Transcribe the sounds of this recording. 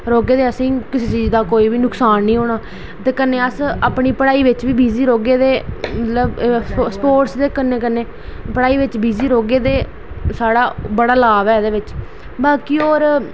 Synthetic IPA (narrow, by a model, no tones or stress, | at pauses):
ɾoːɡeːd̪eːəsĩːkɪseːt͡ʃiːzd̪aːkoːiːʋiːnʊksaːnːĩːɦoːɽ̃aː | t̪eːkəneːəsaːpɳiːpəɽaːiːʋɪt͡ʃʋiːbiːziːɾoːɡeːd̪eːmət̪ləbspoːʈsd̪eːkəneːkənːeː | pəɽaːiːʋɪt͡ʃbiːziːɾoːɡeːd̪eː | saːɽaːbəɽaːlaːʋɛːd̪eːʋɪt͡ʃ | baːkiːoːɾ